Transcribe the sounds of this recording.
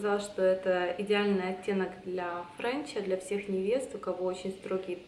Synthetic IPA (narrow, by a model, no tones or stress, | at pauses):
zalˠʂt̪o̞ɛt̪əɪdʲɪalʲnɨjɐtʲːe̞nəkd̪lʲɐfɾanʲt͡ɕəd̪lʲɐfsʲe̞xnʲɪvʲe̞st̪ʊkɐvo̞ot͡ɕɪnʲst̪ɾo̞ɡʲɪ